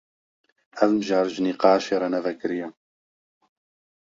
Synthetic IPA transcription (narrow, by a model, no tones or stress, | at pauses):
ævmɨʒɑːɾʒniqɑːʃeːɾˤɑnɛvɛkɨɾijɛ